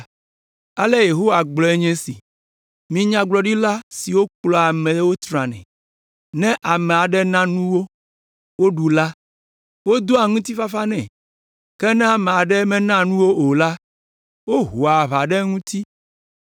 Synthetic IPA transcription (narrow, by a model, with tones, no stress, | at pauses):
a˨le˦je˨ɦo˦wa˨ɡ͡blɔ˨˦e˦ɲɛ̃˦si˨ | mĩ˨ɲã˦ɡ͡blɔ˨ɖi˦la˦si˨wo˦klɔ˨a˨mɛ̃˨˦wo˦t̪ɾã˨nɛ̰̃˨ | nɛ̃˦ʔa˨mɛ̃˨a˨ɖɛ˦nã˦nũ˦wo˦ | wo˦ɖu˨la˦ | wo˦d̪o˦a˨ŋũ˦t̪i˦fa˦fa˦nɛ̃˨ | kɛ˦nɛ̃˦a˨mɛ̃˨a˨ɖɛ˦mɛ̃˦nã˦nũ˦wo˦o˨la˦ | wo˦ɦo˨a˨βa˨ɖɛ˦ŋũ˦t̪i˦